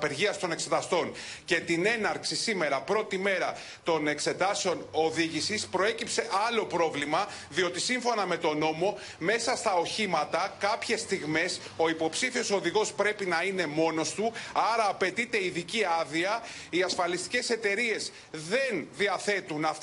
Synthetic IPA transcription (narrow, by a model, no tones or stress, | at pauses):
pe̞ɾʝiɐst̪o̞ne̞kse̞t̪ɐst̪o̞nce̞t̪ine̞nɐɾksisime̞ɾɐpɾo̞t̪ime̞ɾɐ | t̪o̞ne̞kse̞t̪ɐseo̞no̞ðiʝisispɾo̞e̞cipse̞ʔɐlo̞pɾo̞vlimɐ | ðio̞t̪isiɱfo̞nɐme̞t̪o̞no̞mo̞ | me̞sɐst̪ɐo̞çimɐt̪ɐkɐpçe̞st̪iɣme̞s | o̞ipo̞psifio̞so̞ðiɣo̞spɾe̞pinɐine̞mo̞no̞st̪uɐɾɐːpe̞t̪it̪e̞iðiciɐðiɐ | iɐsfɐlist̪i̥ce̞se̞t̪e̞ɾie̞z | ðe̞nðiɐθe̞t̪unɐf